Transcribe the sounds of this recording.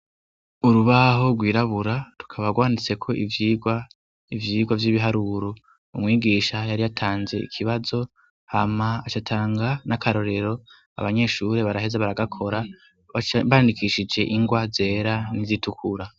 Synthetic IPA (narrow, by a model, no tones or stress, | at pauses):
uɾuβaɦo̞ɡwiːɾaβuɾatu̥kʰaβaɡwaːndit͡se̞kʰo̞ʔivjiːɡwa | ivjiːɡwavjiːβiɦaɾuɾo | umŋiːɡiːʃajaɾijatʰaːnze̞̰ḭkʰiβazo̞ | hamaat͡ʃatʰaːŋɡanakʰaɾo̞ɾe̞ɾo̞ | a̰βaɲe̞ʃuɾe̞βaɾaɦe̞zaβaɾaɡakʰo̞ɾa | βajandikʰiʃid͡ʒe̞ʔiŋɡwaze̞ɾanizitʰukʰuɾa